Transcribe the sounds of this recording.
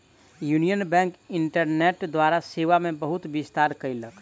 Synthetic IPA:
junijənbɛ̃ŋkiɳʈəɾneʈd̪waɾaseʋamebəɦut̪bist̪aɾkəjlək

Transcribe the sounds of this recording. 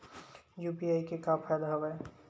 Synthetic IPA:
juːpiaikekapʰajd̪aɦoʋe

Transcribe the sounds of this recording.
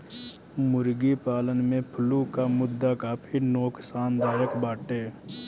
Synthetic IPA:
mʊɾɡipaːlənmẽpʰʊlukamʊd̪ːakapʰɪɾnoːksaːnd̪aːjəkbaːʈeː

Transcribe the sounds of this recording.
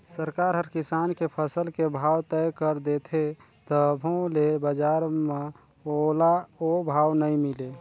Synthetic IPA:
səɾkaːɾɦəɾkisaːnkepʰəsəlkebʱawt̪ɛkəɾd̪et̪ʰe | t̪ɔbʱõlebəd͡ʒaɾme | olaobʱaːwnəĩmɪle

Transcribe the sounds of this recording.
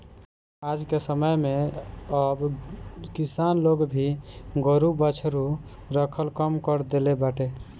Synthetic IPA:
ad͡ʒkesəməjmeəbkisanloɡbʱiɡəɾubət͡ʃʰɾu | ɾəkʰəlkəmkəɾd̪elebaʈe

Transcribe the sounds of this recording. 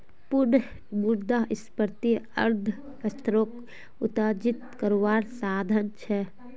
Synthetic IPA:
pʊɾn | muɾd̪aɦɪspəɾt̪iə̰ɾd̪ʱ | əst̪ʰɾoːk | ʊt̪aːd͡ʒit̪kəɾoʋaːɾsaːd̪ʱənt͡ʃʰɛ

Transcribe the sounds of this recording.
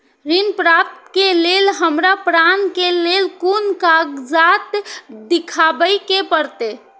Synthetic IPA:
ɾinpɾap̚t̪kelelɦəmɾapɾankelelkunkaɡd͡ʒat̪d̪ikʰabəjkepəɾt̪e

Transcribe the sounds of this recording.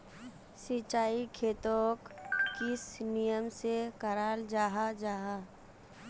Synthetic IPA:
sit͡ʃaːikʰeːt̪oːkːɪsnijəmsekəɾaːld͡ʒaːɦad͡ʒaːɦa

